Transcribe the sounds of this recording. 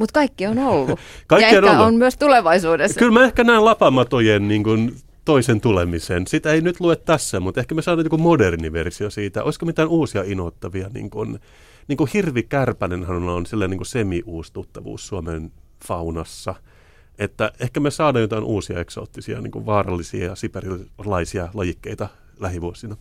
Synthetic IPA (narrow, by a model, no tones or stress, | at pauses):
mut̪kɑikːionolːukɑikiɑnoonmyøst̪uleʋɑisuːdeskylmæehkænæilɑpɑmɑt̪ojenniːŋkun | t̪oisent̪ulemisensit̪æeinyt̪luet̪tæsːæmut̪ehkæmesɑːdɑːjokumoderniʋḛrsiosiːt̪æ̰ʔoiskomit̪æːnuːsiɑinoːt̪ːɑʋiɑnḭːŋkun | niːŋkuhirʋikærpænenhɑnnɑonsilːæniŋkusemiʔuːst̪ut̪ːɑʋṵːssuɑmen | fɑunɑsːɑ | et̪ːæehkæmesɑːdɑːjot̪ɑinʔuːsiɑ̰ekso̰ːt̪ːisiɑ̰nḭːŋkṵʋʋɑːrɑ̰lːisiɑjɑsiperillɑisiɑlɑjikːeit̪ɑ | læhiʋuosinɑ